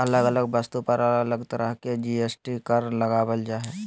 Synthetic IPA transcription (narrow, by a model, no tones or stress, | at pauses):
ɐləɡələɡbəst̪upəɾɐləɡələɡt̪ɐɾəɦked͡ʒiesʈikəɾlɐɡabəld͡ʒaɦɛː